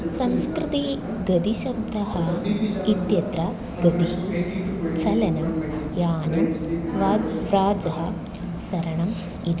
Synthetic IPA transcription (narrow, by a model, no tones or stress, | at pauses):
sɐmskɾɪt̪i | ɡɐd̪iʃɐb̚d̪ɐhɐit̪jɐt̪ɾɐ | ɡɐd̪ihit͡ʃɐlɐnɐmjaːnɐmʋʋɾaːd͡ʒɐɦɐ | sɐɾɐɳɐm | id̪i